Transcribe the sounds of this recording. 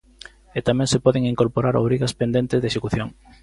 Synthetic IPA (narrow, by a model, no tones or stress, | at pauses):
et̪amɛ̃ŋsepɔðeŋiŋkoɾpoɾaɾo̰βɾiɣɐspend̪ent̪ɪzðeʃekuθjoŋ